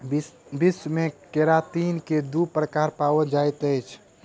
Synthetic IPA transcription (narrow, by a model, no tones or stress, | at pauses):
bismẽkeɾat̪inked̪upɾəkaɾpaəd͡ʒajt̪əjt͡ʃʰ